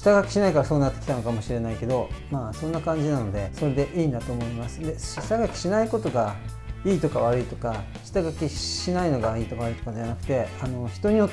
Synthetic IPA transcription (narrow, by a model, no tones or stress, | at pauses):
i̥t̪aɡakʲi̥ɕinaikaɾasoːnat̪ːe̞kʲi̥t̪ano̞kamo̞ɕiɾe̞naike̞d̪o̞maːsõ̞nːakãɲ̟d͡ʑinano̞d̪e̞so̞ɾe̞d̪e̞ʔiːnd̪at̪o̞ːmo̞imasɨ̥d̪e̞ɕi̥t̪aɡakʲi̥ɕinaiko̞t̪o̞ɡa | iːt̪o̞kaβ̞aɾɯ̟it̪o̞ka | ɕi̥t̪aɡakʲiɕinaino̞ɡaiːt̪o̞kaβaɾɯit̪okad̪e̞anakɯ̟̥t̪e̞ano̞çi̥t̪o̞ɲ̟io̞